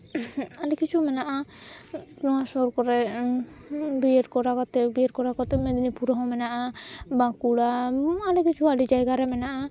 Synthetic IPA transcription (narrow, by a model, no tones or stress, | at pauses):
alɛkit͡ʃʰumɛnaʔa | ɔasɔɾkɔɾɛ | biɛɾkɔɾakɔt̪ɛbijɛɾkɔɾakɔt̪ɛmɛd̪nipuɾɦɔ̃mɛnaʔabãkuɽaalɛkit͡ʃʰualid͡ʒajɡaɾɛmɛnaʔa